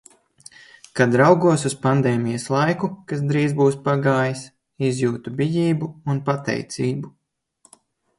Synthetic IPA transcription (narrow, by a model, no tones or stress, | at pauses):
kad̪ɾawɡuɔsuspand̪eːmijɐslˠajkukas̬d̪ɾiːzbuːspaɡaːjis | izjuːt̪ubʲijiːbuunpat̪ɛ̰jt̪siːbu